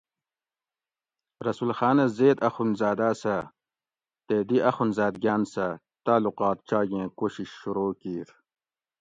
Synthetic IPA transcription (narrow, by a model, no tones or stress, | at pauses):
ɾɐsulxaːnɐzeːd̪ɐxunzaːd̪aːsɐ | t̪eːd̪iʔɐxunzaːd̪̚ɡjaːnsɐ | t̪aːluqɑːt̪̚t͡ɕaːɡẽːkoɕiɕːuɾoːkiːɾ